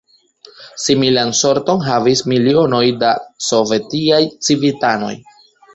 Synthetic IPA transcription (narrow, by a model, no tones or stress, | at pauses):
similanso̞ɾto̞nɦavismilio̞no̞jdaso̞ve̞tiajt͡sivitano̞̰j